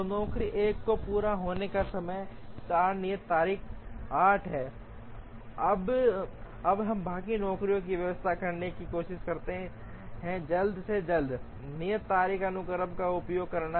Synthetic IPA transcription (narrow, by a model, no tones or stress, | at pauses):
nɔːkɾiʔeːkːopuːɾaɦoːnekasɐməjt͡ʃaːɾnijət̪ːaːɾiːkʰaːʈʰɦɛː | ɐb | ɐbɦɐmbaːkinɔːkɾijõkiʋjɐʋəst̪ʰakɐɾnekikoːʃɪʃkɐɾt̪eɦɛ̃ | ɦɛ̃d͡ʒɐld̪sed͡ʒɐld̪ | nijət̪ːaːɾiːkənʊkəɾəbkaʊpjoːɡ̚kɐɾna